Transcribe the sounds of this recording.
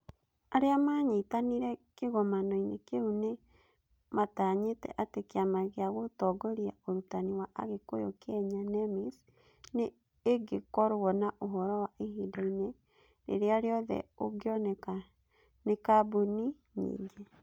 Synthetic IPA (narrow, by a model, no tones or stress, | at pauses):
aɾeamaɲitaniɾɛkeɣɔmanɔinekeune | mataɲetɛ̰ʔatekeamaɣeaɣotɔɡoɾiaoɾutaniwaʔa̰ɣekojo̰kɛɲanɛmis | neː | ɡekɔɾoɣɔnaʔoɦɔɾɔwaʔeɦiːdaine | ɾḛɾeaɾeɔðɛ̰oɡjɔ | nekabuni | ɲḭːɲɡe